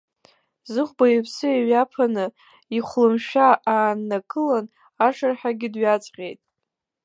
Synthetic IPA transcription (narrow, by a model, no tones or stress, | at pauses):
zɨχʷbajɪpʰsɨeɥapʰanɨ | iχʷlɨmʃᶣaaːnːakʰʼɨlan | aʂarħaɡʲɪdɥat͡sʼqʲʼe̞jtʼ